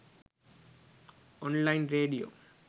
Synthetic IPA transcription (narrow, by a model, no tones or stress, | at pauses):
ɔ̃nlaɪ̃nɾeːɖio̰ː